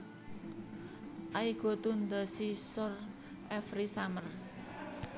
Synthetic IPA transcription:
ʔaiɡ̥o̤t̪und̪əsisɔr | ʔɛfɾisamər

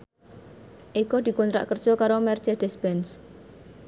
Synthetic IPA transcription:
ʔikɔd̪̥i̤kɔnt̪ɾa̰ʔkər̥ʒ̥ɔkaɾomɛrt͡ʃed̪̥ɛspɛns

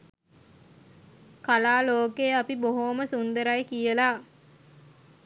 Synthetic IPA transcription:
kalaːloːkejapiboɦoməsund̪əɾajkijəla

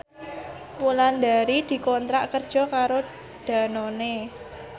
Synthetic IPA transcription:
muland̪aɾid̪̥i̤kɔnt̪ɾaʔkərd̥ʒ̥ɔ̤kaɾo | d̪̥a̤none

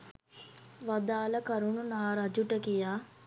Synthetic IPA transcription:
ʋɐd̪aːlɐkɐɾununaːɾad͡ʒuʈəkijaː

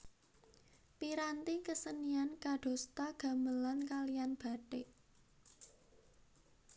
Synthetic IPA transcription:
piɾant̪ikəsəniankaɖ̥o̤st̪aɡ̥a̤məlankalijanb̥a̤ʈeʔ

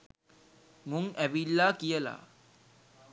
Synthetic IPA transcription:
muŋʔæʋilːaːkijəla̰ː

